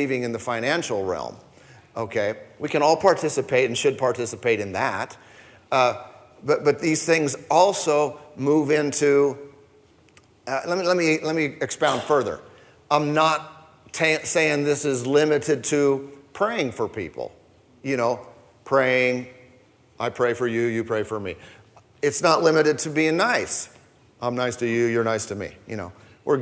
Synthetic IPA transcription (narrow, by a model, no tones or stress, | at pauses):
ivɪ̃ŋɨ̃nðɨfãɪ̃ñæ̃nʃl̩ˠɹɛ̰lˠm | oʊkʰeɪwikɨ̃ñɔlˠpʰɑɹtʰɪsɨpʰeɪɾ̃n̩ʃɨd̚pʰɑɹtʰɪsəpʰeɪɾɨ̃nðæ̰t | bʌt̚b̥ʌt̪̚ðiz̥θɪ̃ŋzɔlˠsoʊmuvɪ̃ntʰʉ | lɛt̚milɛt̚milɛt̚miɨkspãʊ̃nd̥fɜ˞ðə̰˞ | ãɪ̃mnətʰ | ẽseɪɪ̃ŋðɪsɨzlɪ̃mɨɾɨd̚tʰɨpʰɹ̥eɪɪ̃ŋfə˞pʰḭpl̩ˠ | jɨñoʊ | pʰɹ̥eɪɪ̃ŋ | ʔaɪpʰɹ̥eɪfə˞jɨjɨpʰɹ̥eɪfə˞mḭ | ɨtsnəʔˡlɪ̃mɨɾɨd̚tʰɨbiɪ̃ŋnaɪs | ʔãɪ̃mnaɪstʰɨjɨjə˞naɪstʰɨmḭjɨ̰ño̰ʊ | wɪɹ